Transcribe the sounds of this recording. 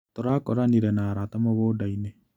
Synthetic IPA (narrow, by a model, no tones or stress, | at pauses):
t̪oɾakɔɾaniɾɛnaɾat̪amɔβodaine